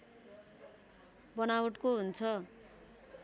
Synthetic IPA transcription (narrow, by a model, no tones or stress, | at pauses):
bʌnawʌʈkoɦunt͡sʰʌ